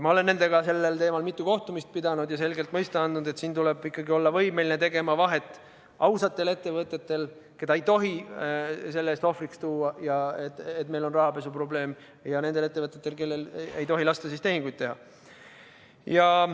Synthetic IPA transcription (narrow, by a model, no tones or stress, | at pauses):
mɑo̞le̞nːe̞nd̪̥e̞ɡɑse̞lːelt̪e̞ːmɑlmit̪ˑːuko̞ht̪umist̪̚pid̪̥ɑnud̪̥jɑse̞lɡe̞lt̪ːˑmɤjst̪eɑnd̪nud̪et̪siːnt̪uleb̥ikːˑɑɡio̞lːɑvɤjme̞linet̪eɡe̞mɑvɑɦe̞t̪ːˑ | ɑwsɑt̪ːˑe̞le̞t̪ːe̞vɤt̪ˑːe̞t̪ːe̞l | ke̞d̪ɑejt̪o̞ɦi | se̞lːest̪o̞frikst̪uːɑjɑet̪et̪̚ːˑme̞jlo̞nrɑɦɑpe̞supro̞ble̞ːm | jɑne̞nd̪ele̞t̪ːevɤt̪ːˑet̪ːe̞lke̞lːele̞jt̪o̞ɦilɑst̪ɑsist̪e̞hiŋɡ̥ujd̪t̪̚ːeɦɑ | jɑ